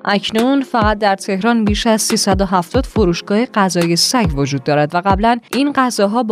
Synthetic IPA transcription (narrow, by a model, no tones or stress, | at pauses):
ʔæcʰnunfæɣæt̪̚d̪æɾt̪ʰe̞hɾɒːnbiːʃæzsiːsæd̪oɦæft̪ɒːd̪̥foɾuːʃɡ̥ɒːheɢæzɒːjesæɟvod͡ʒuːd̪ːɒːɾæd̪væɣæblænʔinɢæzɒːɦɒːb